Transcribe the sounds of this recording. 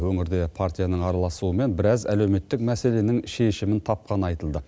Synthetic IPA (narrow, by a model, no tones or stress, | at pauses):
wɵŋɪɾd̪e̞pʰart̪ʲijanəɴɑɾɑlˠɑsuəme̞nbɪɾɑzæ̰lewme̞t̪ːɪk̚mæse̞le̞nɪŋʃe̞ʃɪmɪnt̪ʰɑp̚qɑnɑjt̪əlˠd̪ə